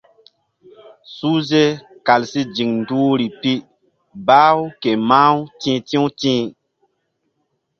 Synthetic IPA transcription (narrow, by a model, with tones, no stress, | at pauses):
su˦ze˦ | ka˨lsi˦d͡ʒi˨ŋndu˦ɾi˨pi˦ | ba˦wke˨ma˦wtĩ˦tĩ˦wtĩ˦